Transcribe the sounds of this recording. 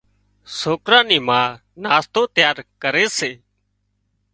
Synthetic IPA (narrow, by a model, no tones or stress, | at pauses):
soːkɾãːniːmãː | naːst̪oːt̪jaːɾkəɾeːseː